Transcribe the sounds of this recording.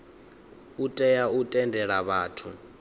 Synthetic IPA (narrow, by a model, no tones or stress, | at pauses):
utʼɛjautʼɛndʱɛɺaβaːtʰu